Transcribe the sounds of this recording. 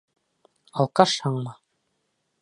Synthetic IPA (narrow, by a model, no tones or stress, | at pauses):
ɑlˠqɑʃhɑɴmɑ